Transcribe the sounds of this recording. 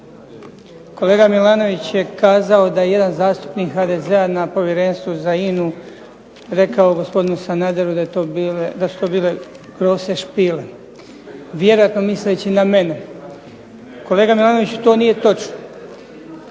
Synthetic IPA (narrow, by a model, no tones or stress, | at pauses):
ko̞leːɡamilaːno̞ʋit͡ɕje̞kaːzao̞d̪ajeje̞d̪anzaːst̪u̥pniːkxaːd̪e̞zeanapo̞ʋjeɾe̞ːnst̪ʋuzainu | ɾe̞kaoɡo̞spod̪inusanaːd̪eɾud̪at̪oːbiled̪asu̥t̪o̞ːbiːle̞ | ɡɾo̞ːse̞ʃpiːle̞ | ʋje̞ɾo̞jat̪no̞mislet͡ɕiname̞ne | ko̞leːɡamilˠaːno̞ʋit͡ɕu̥t̪o̞ːnije̞t̪o̞t͡ʃno